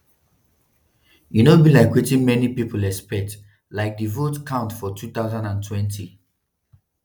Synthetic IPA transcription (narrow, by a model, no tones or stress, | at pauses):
junobilaɪkwetĩnmɛnipipəlɛspɛk̚t | laɪk̚divotkʰãʊ̃ntfɔtʰuθaʊzãndãntʰwɛ̃ntʰi